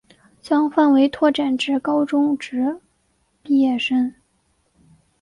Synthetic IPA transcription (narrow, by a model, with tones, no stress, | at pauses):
ɕjɑ˥ŋfa˥˩nwe˧˥ɪt̪ʰwɔ˥˩ʈ͡ʂa˨˩nʈ͡ʂɻ̩˧˥kɑ˥ʊʈ͡ʂʊ˥ŋʈ͡ʂɻ̩˧˥ | pi˥˧jɛ˥˩ʂə˥n